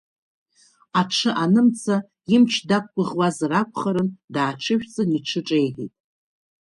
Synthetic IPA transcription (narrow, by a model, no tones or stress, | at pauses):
aʈ͡ʂʰɨʔanɨmt͡sʰa | imt͡ʃʰdak̚ʷːʼʊʁwazrakʷʼχaɾɨndaːʈ͡ʂʰɨʃᶣt͡sʼɨniʈ͡ʂʰɨʈ͡ʂʼejʁḭtʼ